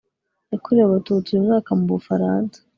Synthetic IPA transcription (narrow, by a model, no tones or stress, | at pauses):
akoɾeβaβatut͡sijumŋaːkamuβufaɾaːnsḁ